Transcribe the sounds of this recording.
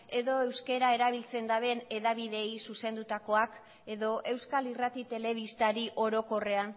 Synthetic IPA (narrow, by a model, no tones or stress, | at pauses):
e̞ðo̞e̞wske̞ɾae̞ɾaβ̞ilt͡se̞nd̪aβe̞ne̞ðaβiðe̞jsuse̞nd̪ut̪ako̞ak | e̞ðo̞ʔe̞wskalirat̪it̪e̞le̞β̞ist̪aɾiʔo̞ɾo̞ko̞re̞an